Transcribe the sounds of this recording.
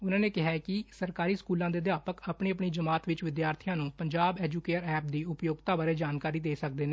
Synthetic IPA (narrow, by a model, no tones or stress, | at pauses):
ʊnãːneːkɪɦaːkɪsəɾkaːɾiːskuːlãːd̪eːd̪jaːpəkapɳeːəpɳiːd͡ʒəmaːt̪ʋɪt͡ʃʋɪd̪jaːɾt̪ʰɪjãːnũːpəɲd͡ʒaːbɛːd͡ʒuːkeːʈəɾɛːp̚d̪iːʊpjoːɡt̪aːbaːɾeːd͡ʒaːnkaːɾiːd̪eːsək̚d̪eːneː